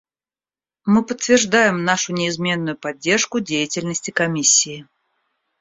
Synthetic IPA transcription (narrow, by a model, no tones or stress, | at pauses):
mɨpət̪ʲːvʲɪrʐd̪ajɪmnaʂʊnʲɪːzmʲe̞nːʊjʊpɐdʲːe̞rʂkʊdʲejɪtʲɪlʲnəsʲtʲɪkɐmʲisʲːɪː